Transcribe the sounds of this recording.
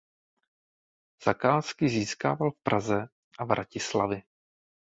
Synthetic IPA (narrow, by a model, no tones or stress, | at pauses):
z̥akaːskɪziːskaːvalfpɾʔazɛ | ʔavɾʔacɪslavjɪ